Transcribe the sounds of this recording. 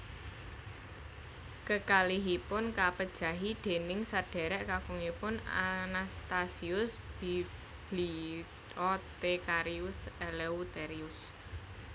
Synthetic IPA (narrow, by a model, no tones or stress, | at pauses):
kəkaliɦipʊnkapəd̥ʒ̥ä̤ɦid̪̥e̤nɪŋsaɖ̥ɛ̤ɾɛʔkafuŋipʊna̰nast̪asiʊsb̥i | b̥li | ɔt̪ekaɾiʊsɛleut̪ɛɾiʊs